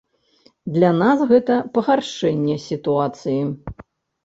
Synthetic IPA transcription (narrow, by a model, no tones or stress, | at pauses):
d̪lʲanasɣɛt̪ɐpɐɣarʂɛnʲːɛsʲit̪uat̪sɨji